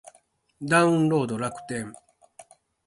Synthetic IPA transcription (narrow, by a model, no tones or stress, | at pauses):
d̪aɯ̟̃nɾo̞ːd̪o̞ɾakɯ̟̥t̪ẽ̞ɴ